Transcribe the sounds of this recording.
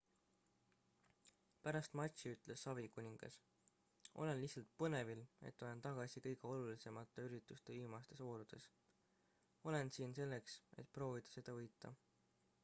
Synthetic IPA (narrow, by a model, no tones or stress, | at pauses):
pæɾɑst̪mɑt̪ʲsiyt̪ˑle̞sːɑvikunʲiŋɡ̥ɑ̰s | ʔo̞̰le̞nlihsɑlt̪̚pɤne̞vile̞̰t̪ːˑolent̪ɑɡ̥ɑsikɤ̞jɡ̥e̞o̞lulise̞mɑt̪ːˑeyɾit̪ːˑust̪eimɑst̪e̞so̞ːɾud̪̥e̞s | o̞le̞nsiːnse̞lːe̞kse̞̰t̪̚ːˑpro̞ːvid̪̥ɑ̥se̞d̪̥ɑvɤjt̪ːˑɑ̰